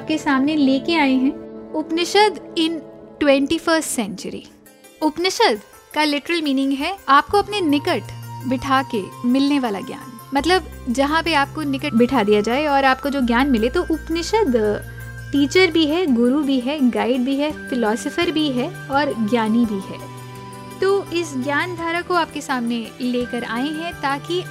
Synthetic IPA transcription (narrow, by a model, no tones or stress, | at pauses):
aːp̚kesaːmneleːkeaːẽɦɛ̃ːʊpnɪʃəd̪ɪnʈwɛ̃ɳʈifəɾsʈsɛ̃ɲt͡ʃəɾḭ | ʊpnɪʃəd̪ | kalɪʈəɾəlmiːnɪ̃ŋɡɦɛːaːp̚koɐpnenɪkəʈbɪʈʰaːkemɪlneʋaːla̰ɡja̰ːn | mɐt̪ləbd͡ʒɐɦãpeaːp̚konɪkəbɪʈʰad̪ijad͡ʒaːeɔːɾaːp̚kod͡ʒoːɡjaːnmɪlet̪oʔʊpnɪʃəd̪ | ʈiːt͡ʃəɾbʱiɦɛɡʊɾubʱiɦɛɡaːɪɖ̚bʱiɦɛfɪlɔːsəfəɾbʱiɦɛ | ɔːɾɡjaːnibʱiɦɛ̰ː | t̪oːɪsɡjaːnd̪ʱaːɾakoaːpkesaːmneleːkəɾa̰ːeɦɛ̃t̪aːki